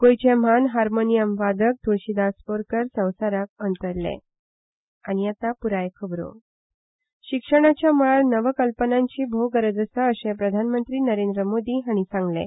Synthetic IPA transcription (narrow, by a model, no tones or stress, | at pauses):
kojt͡ɕem̤anɦaɾmonijəmʋad̪ək̚t̪ʰoɕid̪aspoɾkəɾsə̃w̃saɾakənt̪əɾlḛ | aɽ̃ijat̪apuɾajkʰəbɾo̰ | ɕikʂəɽ̃at͡ɕjaməɭaɭnəʋəkəlpənãɲt͡ɕiːbʱoɡəɾəd͡zəsəəsẽpɾəd̪ʱanmənt̪ɾiːnəɾend̪ɾəmod̪iːɦaɽ̃isãŋɡlḛ̃